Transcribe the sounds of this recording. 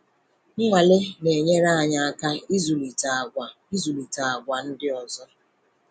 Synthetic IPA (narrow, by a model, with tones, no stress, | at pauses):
ŋ̩˦ŋʷa˨lɪ˦ne˨ɲe˦ɾa˦a˨ɲa˦a˦ka˦i˦zu˨li˨ta˨ɡʷa˨ | i˦zu˨li˨ta˨a˨ɡʷa˨n̩˦dɪ˦ɔ˨zɔ˦